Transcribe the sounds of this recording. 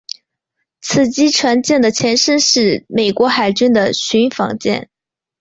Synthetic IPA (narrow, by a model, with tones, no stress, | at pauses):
t͡s̩ʰ˨˩t͡ɕi˥ʈ͡ʂʰwa˧˥nt͡ɕjɛ˥˩nd̪ə˩t͡ɕʰjɛ˧˥nʂə˥nʂɻ̩˥˩me˨˩ɪkwɔ˧˥xa˨˩ɪt͡ɕy˥nd̪ə˨ɕy˧˥nfɑ̰˧˥ŋt͡ɕjɛ̰˥˩n